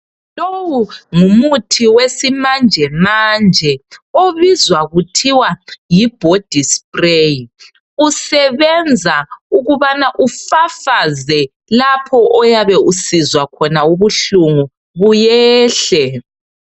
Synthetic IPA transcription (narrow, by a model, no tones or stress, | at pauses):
lowuŋumutʰiwesimand͡ʒʱɛmand͡ʒʱɛoβizwaɣutʰiwajib̥ʱod̥ʱispreji | usɛβɛnd͡zʱauɣuβanaʔufafazɛ | lapʰɔʔɔjaβɛusizwakʰɔnauβuɬuŋu | βujɛːɬɛ